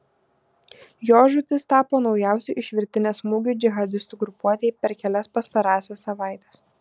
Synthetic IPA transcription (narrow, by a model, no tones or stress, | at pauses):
joːʒʊt̪ʲɪst̪ɑːpoːnɒʊjæˑʊsʲʊʔɪʃʲʋʲɪɾʲt̪ʲɪnʲeːsmʊɡʲʊːd͡ʒʲɪɣɐd̪ʲɪst̪uːɡɾʊpuɔt̪ʲeɛjɪpʲɛɾkʲɛlʲɛspɐst̪ɐɾɑːsʲɛsːɐʋɑˑɪt̪ʲɛs